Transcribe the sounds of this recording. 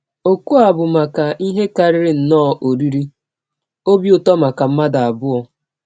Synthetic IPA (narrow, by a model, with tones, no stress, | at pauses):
o˨ku˦a˨bʊ˨ma˨ka˨ʔi˦ɦe˦ka˨ɾɪ˦ɾɪ˨n̩˨nɔː˦˨ʔo˨ɾi˦ɾi˦ | o˦bi˦ʊ˨tɔ˦ma˨ka˨m̩˦ma˦da˨a˨bʊ˦ɔ˨